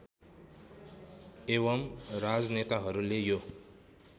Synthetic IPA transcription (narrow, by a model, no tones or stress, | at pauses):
eβʌmrad͡znet̪aɦʌɾulejo